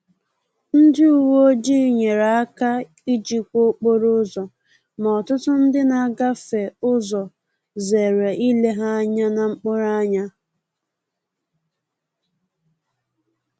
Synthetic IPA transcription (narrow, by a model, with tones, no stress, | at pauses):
n̩˦dɪ˦u˨wo˦d͡ʒi˦˨ɲe˨ɾa˨a˦ka˦ | i˦d͡ʒi˦k͡pkʷo˦k͡po˦ɾʊ˦zɔ˨ | ma˨ɔ˨tʊ˦tʊ˦n̩˦dɪ˦na˨ɡa˦fe˨ʊ˦zɔ˨ | ze˨ɾe˨ʔi˦le˦ɦa˦ɲa˦na˨ŋ͡m̩˦k͡pʊ˦ɾa˦a˦ɲa˦